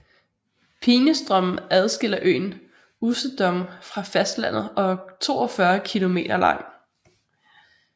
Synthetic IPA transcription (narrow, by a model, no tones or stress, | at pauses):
pʰiːnəsd̥ʁœm̰n̩æð̞ˠsɡ̥e̝l̰ɐʔø̰ːn | usəd̥ɒ̽mfʁɑ̈fæsd̥læn̰ð̩ˠɒ̽t͡sʰo̝̰ːɒfɶɐkʰilo̝me̝̰ːd̥ɐlɑ̈ŋ̰